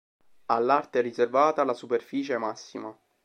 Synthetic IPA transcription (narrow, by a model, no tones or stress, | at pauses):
alːart̪eɛrizervaːt̪alasuperfiːt͡ʃeɛmasːima